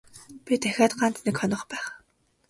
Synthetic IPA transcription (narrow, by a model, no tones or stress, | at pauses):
pʲit̪æxʲaːt̪ɢant̪nekχɔnɞ̆χpæːχ